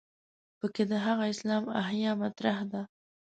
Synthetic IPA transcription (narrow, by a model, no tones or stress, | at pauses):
pəked̪əɦaɣaɪslɑma̰hjɑmat̪ɾahd̪a